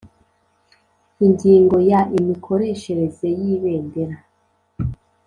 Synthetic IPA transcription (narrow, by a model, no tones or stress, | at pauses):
iɲɡiːŋɡo̞jaʔimikʰo̞ɾe̞ʃe̞ɾe̞ze̞jiβeːnde̞ɾa